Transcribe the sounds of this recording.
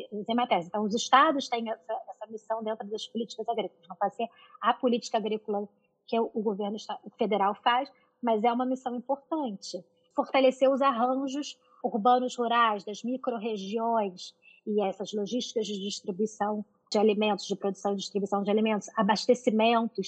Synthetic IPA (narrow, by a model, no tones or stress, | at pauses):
zẽmat̪ɛɾzɪẽnt̪ɐ̃w̃ʊzɪʃt̪ad̪ʊst̪ẽj̃ɛsɐɛsɐmisɐ̃w̃d̪ẽnt̪ɾʊd̪ɐspʊlit͡ʃɪ̥kɐzaɡɾik̚oʊlˠɐznɐ̃w̃pad͡ʒɪseɾ | apʊlit͡ʃɪ̥kɐaɡɾikolɐ | kɪʊɡoveɾnʊiʃt̪ad̪fed̪eɾawfas | mɐzɛũmɐmisɐ̃w̃ĩpoɾt̪ɐ̃nt͡ʃɪ | foɾt̪aleseɾʊzaɦɐ̃ʒʊs | uɾbɐ̃nʊshuɾajzd̪ɐzmikɾoɦeʒiõj̃s | ɪɛsɐzloʒiʃt͡ʃɪ̥kɐzd͡ʒɪd͡ʒɪʃt̪ɾibuisɐ̃w̃ | d͡ʒɪalimẽnt̪ʊzd͡ʒɪpɾod̪usɐ̃w̃ɪd͡ʒɪʃt̪ɾibuisɐ̃w̃d͡ʒɪalimẽnt̪ʊzabaʃt̪esimẽnt̪ʊs